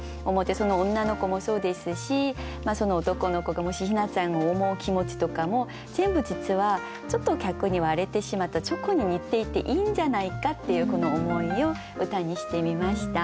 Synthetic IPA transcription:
omo̞t̪ːeso̞no̞õnːano̞ko̞mo̞so̞ːd̪e̞sɨɕimaso̞no̞ːt̪o̞ko̞no̞ko̞ɡamo̞ɕiçinat͡sãɰ̃oːmo̞ɯkʲimo̞t͡ɕi̥t̪o̞kamo̞ | z̥ẽ̞mbɯ̟d͡ʑit͡sɨβa | t͡ɕo̞t̪ːo̞kʲakɯ̟ɲ̟iβaɾe̞t̪e̞ɕimat̪ːat͡ɕo̞koɲ̟iɲ̟it̪ːe̞it̪ːe̞̰ʔiːɲ̟d͡ʑanaikat̪ːe̞jɯ̟ːko̞no̞ːmo̞io̞ | ɯ̟t̪aɲ̟iɕi̥t̪e̞mʲimaɕi̥t̪a

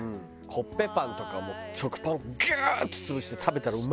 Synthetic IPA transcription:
ɯ̃ | kʰopːe̞pãnt̪o̞kamo̰t͡ɕokɯ̟̥pãŋɡat̪ɨ̥t͡sɨbɯ̟ɕi̥t̪e̞t̪ʰabe̞t̪aɾaɯm

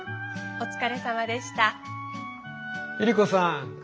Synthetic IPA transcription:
o̞t͡sɨ̥kaɾe̞samad̪e̞ɕi̥t̪a | iɾʲikosã

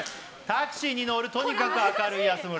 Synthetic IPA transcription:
t̪akɯ̟̥ɕiːɲ̟ino̞ɾɯ̟t̪o̞ɲ̟ikakɯ̟akaɾɯ̟iasɨmɯ

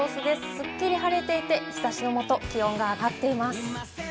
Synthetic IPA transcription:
oːsɨd̪e̞sɨ̥sɨkʲːiɾʲiɦaɾe̞t̪e̞it̪e̞çi̥t̪aɕino̞mo̞t̪o̞kʲiõ̞ŋɡaːɡat̪ːe̞imasɨ̥

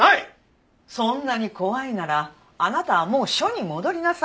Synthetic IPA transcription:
ai | sõ̞nːaɲ̟iko̞βainaɾaː | nat̪aβamo̞ːɕo̞ɲ̟imo̞d̪o̞ɾʲinasa

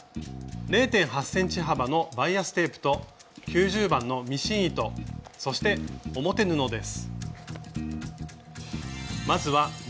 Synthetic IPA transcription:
ɾe̞ːt̪ẽ̞ɰ̃ɦasːẽ̞ɲ̟t͡ɕiɦabano̞baiasɨ̥t̪e̞ːpɯ̟̥t̪o̞ | kʲɨːʑɨːbãnːo̞mʲiɕĩɰ̃it̪o̞so̞ɕi̥t̪e̞o̞mo̞t̪e̞nɯ̟no̞d̪e̞sɨ̥ | mazɨβa

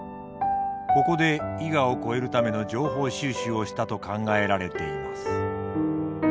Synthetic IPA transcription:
ko̞ko̞d̪e̞iɡao̞ko̞e̞ɾɯ̟t̪ame̞no̞d͡ʑo̞ːɦo̞ːɕɨːɕɨːo̞ɕi̥t̪at̪o̞kãŋɡae̞ɾaɾe̞t̪e̞imasɨ̥

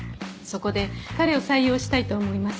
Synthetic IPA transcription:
so̞ko̞d̪e̞kaɾe̞o̞saijo̞ːɕi̥t̪ait̪o̞ːmo̞imas

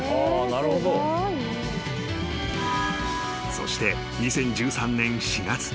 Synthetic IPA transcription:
aːnaɾɯ̟hod̪o | so̞̰ɕi̥t̪e̞ | ɲisẽ̞ɲ̟d͡ʑɨːsãnːẽ̞ɰ̃ɕiɡat͡sɨ̥

